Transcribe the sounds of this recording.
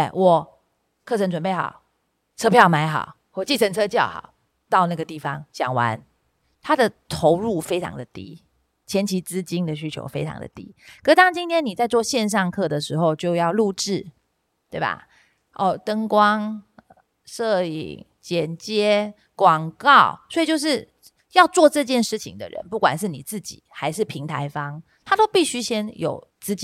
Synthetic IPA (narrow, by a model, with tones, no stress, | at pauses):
wɔ˨˩ | kʰɤ˥˩ʈ͡ʂʰə˧˥nt͡sʈ͡ʂwə˨˩npe˥˩ɪxɑ̰˨˩˦ʊ | t͡sʰɤ˥pʰjɑ˥˩ʊma˧˥ɪxɑ̰˨˩˦ʊ | wɔ˨˩t͡ɕi˥˩ʈ͡ʂʰə˧˥nt͡sʰɤ˥t͡ɕjɑ˥˩ʊxɑ̰˨˩˦ʊ | t̪ɑ˥˧ʊna˥˩ɡə˩t̪i˥˩fɑ˨˦ŋɕjɑ̰˨˩ŋwa̰˧˦n | t̪ʰa˥d̪ə˨t̪ʰo˧˥ʊɻu˥˩fe˥ɪʈ͡ʂʰɑ̰˧˥ŋd̪ə˨t̪ḭ˦˥ | t͡ɕʰjɛ˧˥nt͡ɕʰi˧˥t͡sɹ̩˦t͡ɕi˥ŋd̪ə˨ɕy˥t͡ɕʰjo̰˧˥ʊfe˥ɪʈ͡ʂʰɑ̰˧˥ŋd̪ə̰˨t̪ḭ˦kɤ˥t̪ɑ˥˩ŋt͡ɕi˥nt̪ʰjɛ˥nːi˨˩t͡sa˥˧ɪt͡swɔ˥˧ɕjɛ˥˧nʂ̬ɑ˥˧ŋkʰɤ˥˩d̪ə˩ʂɻ̩˧˥xo˥˧ʊt͡ɕjo˥˧ʊjɑ˥˧ʊlu˥˧ʈ͡ʂɻ̩˥˩ | t̪we˥˩ɪba̰˨˩ | ʔɔ˥˧˩t̪ə˥ŋkwɑ˥ŋ˩ | ʂɤ˥˩ḭ˨˩ŋ | t͡ɕjɛ˨˩nt͡ɕjɛ˥ | kwɑ˨˩ŋkɑ˥˨˩ʊswɔ˧˥i˨˩t͡ɕjo˥˧ʊʂ̬ɻ̩˥˩ | jɑ˥˧ʊt͡swɔ˥˧ʈ͡ʂɤ˥˧t͡ɕjɛ˥˧nʂɻ̩˥˩t͡ɕʰḭ˨ŋd̪ə̰˨ɻə̰˧˦npu˥˩kwa̰˨˩nʂɻ̩˥˩ni˨˩t͡sɹ̩˥˩t͡ɕḭ˨˩˦xa˧˥ɪʂɻ̩˥˩pʰi˧˥ŋt̪ʰa˧˥ɪfɑ˥ŋ | t̪ʰa˥t̪o˥ʊpi˥˩ɕy˥ɕjɛ˥njo̰˨˩ʊ | t͡sɹ̩˥t͡ɕi˥